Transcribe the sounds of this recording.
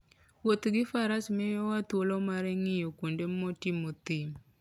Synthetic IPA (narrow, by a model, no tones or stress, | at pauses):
wot̪ɡɪfaɾasmɛjɔwat̪wolɔmaɾɛŋɪjokondemɔtɪmot̪im